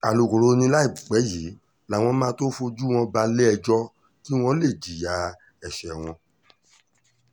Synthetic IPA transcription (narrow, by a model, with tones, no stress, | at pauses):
a˨lu˨ɡo˨ɾo˨˦˧nĩ˧la˦i˦˨k͡pɛ˨˦ji˨˦ | la˨w̃ɔ̃˧mãː˦to˦fo˧d͡ʒu˦w̃ɔ̃˧ba˧le˦ɛ˧d͡ʒɔ˦ | ki˦w̃ɔ̃˧le˦˨d͡ʒi˨ja˨˦ | ɛ˨ʃɛ˨w̃ɔ̃˧